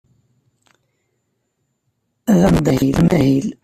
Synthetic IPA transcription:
æðæmd̪ˤhilmæhil

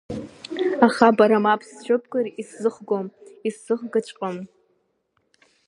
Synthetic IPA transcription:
aχabaɾamapʰst͡ʃʷᶣɨpʰʼkʼɨriszɨχɡʷomisːɨχɡɨt͡ʃʷʼqʼom

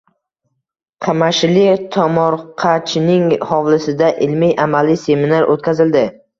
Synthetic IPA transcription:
qʰɑmaʃlɪt̪ʰɒmɒɾqʰɑt͡ʃʰnɪŋhɒwlɪsɪd̪aʔɪlmijʔamalise̞minaɾʔo̰t̪̚kʲʰazɪld̪ɪ

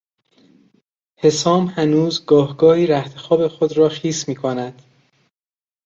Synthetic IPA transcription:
he̞sɒːmhænuːzɡɒːhɡɒːhiːɾæht̪ʰexɒːbe̞xod̪ɾɒːxiːsmiːkʰonæd̪̥

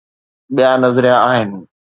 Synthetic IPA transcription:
ɓijanɐzɾijãaːɦɪnɪ̆

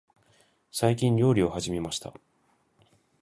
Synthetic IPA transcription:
saikʲĩɲɾʲo̞ːɾʲio̞haʑimʲe̞maɕi̥t̪a̰

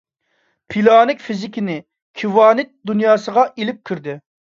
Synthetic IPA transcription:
pʰilɑːnɪkʲfizɪkʲinɪ | kʲʰiwɑːnɪt̪̚d̪unjɑːsəʁɑʔilɪp̚kʲʰyɾd̪ɪ

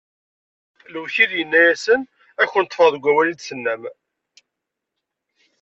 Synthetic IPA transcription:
ləwçiðjənːæjæsən | æçənət̪ːˤfəʁðɡʷæwælid̪sənːæm

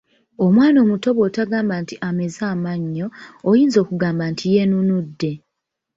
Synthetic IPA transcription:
omwaːno̞ːmuto̞βo̞ːtaɡaːmbantiʔame̞zaːmaɲːo̞ːjiːnzo̞ːkuɡaːmbantʰijenunudːe̞

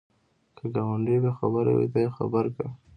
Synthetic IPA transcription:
kʰəɡawaɳɖebexa̰bəɾa̰wḭt̪ajexa̰bəɾka

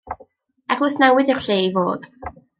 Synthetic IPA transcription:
aɡlˠʊɨθnɛwɪðɪrɬeːivo̰ːd̥

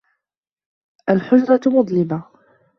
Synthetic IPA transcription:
ʔalħʊd͡ʒɾˤɑmʊd̪ˤlɪba

